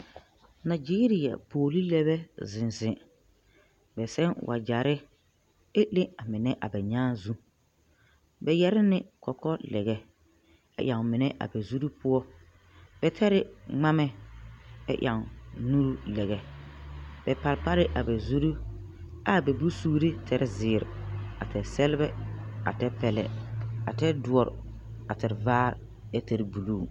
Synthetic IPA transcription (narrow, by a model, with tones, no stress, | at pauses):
na˨d͡ʒiː˦ɾi˨a̰˨pʰoː˨li˦lɛ˦bɛ˦zɪ̃˨nzɪ˨ | bɛ˨sɛ˦nwʔa̰˨d͡ʒa˨ɾɪ˦ | e˦le˦a˨mɪ˨nɛ˦ʔa̰˨bɛ˨ɲãː˦zu˦ | bɛ˨jɛ˦ɾɪ˦nɪ˦kʰɔ˨kɔ˦lɛ̰˨ɣɛ˨ | ɛ̰˦˨ʔa˨ŋ˨mɪ˨nɛ˦ʔa̰˨bɛ˨zu˦ɾu˦pʰʊ˦ɔ˦ | b̥ɛ˨tʰɛ˦ɾɪ˦ŋ͡ma˦mɛ˦ | ɛ̰˦ʔja˨ŋnu˦ɾu˦lɛ˨ɣɛ˨ | b̥ɛ˨pa˨lpa˦ɾɪ˦ʔa˨bɛ˨zu˦ɾu˦ | a˦˨bɛ˨bu˦suː˦ɾi˦tʰɛ˨ɾɪ˦zɪː˨ɾɪ˨a˨tɛ˨sɛ˦lɪ˦bɛ˦a̰˨tɛ˦pɛ˦˨lɛ̰˨a̰˨tɛ˦dʊ˨ɔ˨ɾ | a˨tɛ˨ɪ˨vaː˦ɾ | ɛ˦tɛ˨ɾɪ˨bu˨luː˦˨